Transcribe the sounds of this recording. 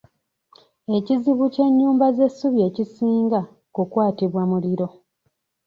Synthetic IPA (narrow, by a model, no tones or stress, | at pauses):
e̞ciziβuce̞ɲːuːmbaze̞suβje̞ːcisiːŋɡa | kukwaːtiβwamuliɾo̞